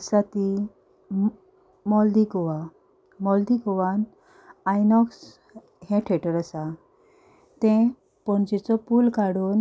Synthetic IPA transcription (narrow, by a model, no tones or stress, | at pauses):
sat̪i | mɔld̪ikɔʋa | mɔld̪ikɔʋan | ajnɔks | ɦɛ̃ʈʰeʈəɾəsa | t̪ɛ̃ | pɔɳt͡ɕit͡sɔpulkaɽuːn